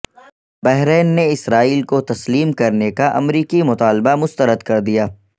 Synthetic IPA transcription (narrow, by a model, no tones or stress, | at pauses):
bɛɦɾɛːnːeɪsɾaːiːlkot̪ɐsliːmkɐɾnekaʔɐ̰mɾiːkimʊt̪aːlbamʊst̪əɾəd̪kɐɾd̪ijaː